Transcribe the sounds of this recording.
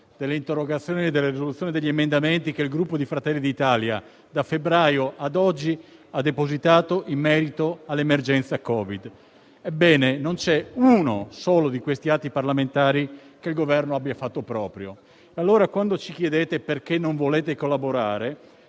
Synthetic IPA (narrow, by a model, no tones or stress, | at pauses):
d̪̥elːeint̪erːoɡat̪sːjoːnied̪ːelːerizolut̪sːjoːnid̪eʎːiemend̪ament̪ikeilɡɾupːod̪ifɾat̪ɛlːid̪it̪aːlja̰ | d̪afebɾaːjoʔad̪ɔd͡ʒːiad̪ːepozit̪aːt̪oʔimːɛːɾit̪oalːemerd͡ʒɛnt̪sakɔːvid̪ | ebːɛːnenont͡ʃɛunosoːlod̪ikwest̪iat̪ːiparlament̪aːɾikeilɡovɛrnoabjafat̪ːopɾɔːpɾjo | ealːoːɾakwand̪ot͡ʃik̟jed̪eːt̪eperkenːoɱvoleːt̪ekolːaboɾaːɾe